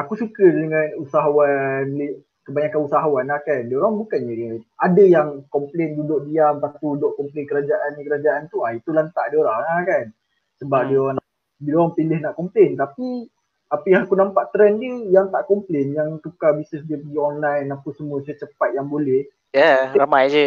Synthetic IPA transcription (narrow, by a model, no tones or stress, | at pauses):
akusukədəŋanusaɦawanle | kəbaɲakanusaɦawanakandoɾaŋbukanəiadəjaŋkɔmplendudoʔdiamt̪akudoʔkɔmplenkəɾad͡ʒaʔankəɾad͡ʒaʔant̪uait̪ulant̪aʔdioɾaŋakan | səbap̚dioɾana | bidoɾaŋpilɪhnaʔkɔmplent̪api | apiaakunampaʔt̪ɾɛndəjaŋt̪aʔkɔmplenjaŋt̪ukabisəsdiəpəɡiɔnlajnːampusəmuasat͡ʃəpat̪̚jaŋbolɛh | jaɾamajd͡ʒə